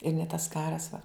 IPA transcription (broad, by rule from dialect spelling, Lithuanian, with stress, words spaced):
ɪr nʲɛ tɐs ˈkɑːrɐs ʋɐ